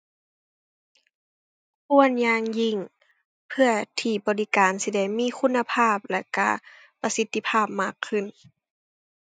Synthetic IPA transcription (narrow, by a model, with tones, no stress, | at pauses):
kʰu˧˥ənjaː˧˥ŋji˧˩ŋ | pʰɯ˧ɐt̪ʰiː˧˩bɔː˨˦li˧˩kaː˨nsi˧dɛ˧˩˨jmiː˧˥˨kʰu˧˥nːa˧pʰaː˥˩p̚lɛ˧˩ka̰˧˩ | pa˧si˧˦t̪ːi˧˨pʰaː˥˩p̚maː˧˩kʰːɯ˧˩˨n